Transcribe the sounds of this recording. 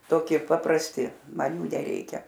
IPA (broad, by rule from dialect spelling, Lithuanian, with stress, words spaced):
toːˈkʲiɛ pɐprɐsʲˈtʲɪ ˈmɐn ˈjuː nʲɛˈrʲɛɪkʲɛ